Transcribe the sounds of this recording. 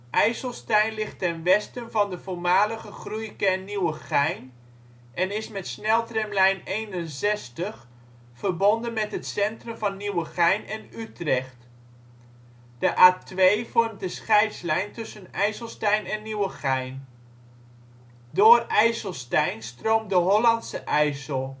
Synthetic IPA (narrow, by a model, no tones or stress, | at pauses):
ʔɛjsəlˠstɛjnlɪχtɛnʋɛstənvɑndəvʊːɹmaːləχəχrujkɛniwəχɛjn | ʔɛnɪsmɛtsnɛlˠtrɛmlɛjnejnənzɛstəχ | fəɹbɔndənmɛtɦətsɛntrɵmvɑnːiwəχɛjnɛnytrɛχt | d̥əʔaːtʋejv̥ɔrmt̚dəsχɛjtslɛjntɵsənɛjsəlˠstɛjnɛnːiwəχɛjn | dʊːrɛjsəlˠstɛjnstrowmdəɦɔlɑntsəʔɛjsəlˠ